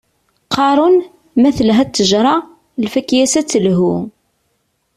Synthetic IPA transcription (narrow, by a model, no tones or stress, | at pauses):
qɑɾˤʊn | mæθəlɦæt̪ːəʒɾˤɑ | lfækjæsæt͡sːəlɦu